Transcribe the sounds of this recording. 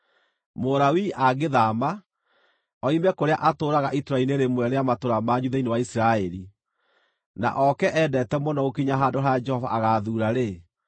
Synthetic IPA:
moɾawiʔaɡeðama | ɔimɛkoɾea̰ʔatoɾaɣaʔitoɾaineɾemwɛɾeamatoɾamaɲuðainewaisiɾaɛɾi | na̰ʔɔkɛʔɛdɛtɛmɔnɔɣokiɲaɦadoɦaad͡ʒɛhɔva̰ʔaɣaːðuːɾaɾe

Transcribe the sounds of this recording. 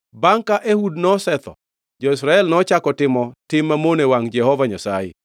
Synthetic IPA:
baŋkaʔehudnɔsɛt̪ɔ̰ | d͡ʒɔɪsɾaɛlnɔt͡ʃakɔtɪmɔtɪmːamonewaŋd͡ʒɛhɔvaɲasa̰jɪ̰

